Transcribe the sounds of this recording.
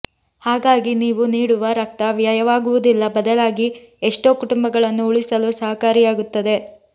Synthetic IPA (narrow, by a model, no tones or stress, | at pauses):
haːɡaːɡiniːʋuniːɽuʋɐɾɐk̚t̪ɐʋjajɐʋaːɡuʋud̪ilːɐbɐd̪ɐlaːɡi | eʂʈo̞ːkuʈumbɐɡɐɭɐnːuuɭisɐlusɐɦɐkaːɾijaːɡut̪ːɐd̪e̞